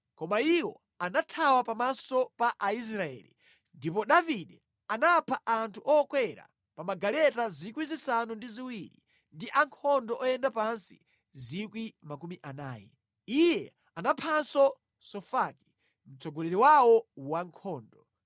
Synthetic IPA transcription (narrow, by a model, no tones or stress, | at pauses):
kɔmaiwɔ̰ | anatʰawapamasɔpaʔais̬ɾaɛ̰ːlḭ | ndip̬ɔɗaviɗɛ | anapʰaʔantʰuʔɔkwɛɾa̰ | pamaɡalɛtazikwizisanundiziwiɾḭ | ndiʔaŋkʰɔndɔʔɔjɛndapansḭ | zikwimakumiʔanaːjɛ̰ | ijɛ | anapʰansɔ | sɔfaki̥ | m̩t͡sɔɡɔlɛɾiwawɔwaŋkʰɔːndɔ